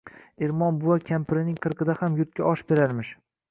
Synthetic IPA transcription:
eɾmɒnbʊwakʲʰampɪɾɪnɪŋqʰɨɾqɨd̪ahamjʊɾt̪̚kʲaɒʃbeɾaɾmɪʃ

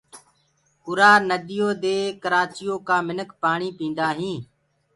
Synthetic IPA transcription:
ʊɾaːɾnəd̪ɪjoːd̪eːkəɾaːt͡ʃɪjoːkãːmɪnəkpaːɳiːpĩːnd̪aːɦĩː

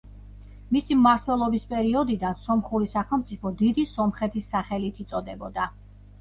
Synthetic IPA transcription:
misimmaɾt̪ʰwɛlˠɔbispʼɛɾiɔd̪id̪ansɔmχuɾisaχɛlˠmt̪sʼipʰɔd̪id̪isɔmχɛt̪ʰisːaχɛlit̪ʰit̪sʼɔd̪ɛbɔd̪a

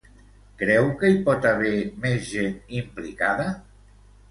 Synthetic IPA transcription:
kɾɛwkəipɔt̪aβ̞ɛmezʒenimplikaðə

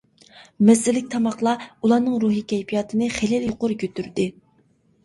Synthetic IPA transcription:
mɛsɪlːɪk̚ʲt̪ʰɑmɑχlˠɑulˠɑnɨŋɾuɦikʲʰɛjpʰijɑːt̪ʰɨnɨχelɪljoqʊɾkʰʲøt̪yɾd̪ɪ

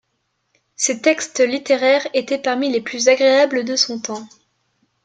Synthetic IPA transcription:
set̪ɛkst̪lit̪eʁɛʁet̪ɛpaʁmileplyzaɡʁeabləd̪əsɔ̃t̪ɑ̃

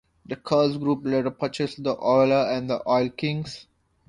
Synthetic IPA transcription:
d̪əkʰəːsɡɾuːpleːʈəpət͡ʃesd̪əʔɔɪləæ̃ɳɖd̪əʔɔɪlkɪ̃ŋs

